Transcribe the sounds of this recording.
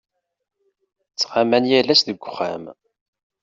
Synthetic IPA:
t͡sːʁamænjælæsðəɡʷʊ̥χːæm

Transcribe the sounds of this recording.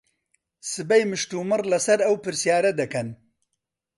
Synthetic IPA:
sɨbɐjmɨʃt̪uːmɨrlɐsɐɾɐwpɨɾsijaːɾɐd̪ɐkɐn

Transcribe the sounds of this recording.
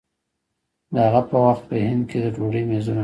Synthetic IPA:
d̪əhaɣapəwaxt̪̚pəhɪnd̪̚kʰed̪əʈoɽəjmezuna

